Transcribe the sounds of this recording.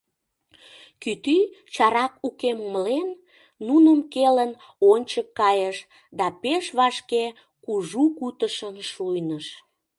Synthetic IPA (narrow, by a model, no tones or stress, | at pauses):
kyt̪yt͡ɕɑɾɑkukemuməlenː | unəmkelən | onʲt͡ɕəkːɑjəʃ | d̪ɑpeʃβɑʃke | kuʒukut̪əʃənʃujnəʃ